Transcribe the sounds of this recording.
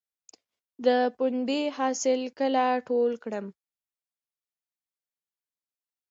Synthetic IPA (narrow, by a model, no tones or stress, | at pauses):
d̪əpunbehɑsɪlkəlaʈolkɽəm